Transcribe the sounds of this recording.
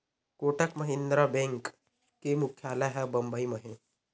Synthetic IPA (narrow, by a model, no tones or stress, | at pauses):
koːʈəkmɐɦɪ̃nd̪ɾabẽːŋk | kːemʊkʰjaːleɦɛbɐ̃mbəimɐɦẽ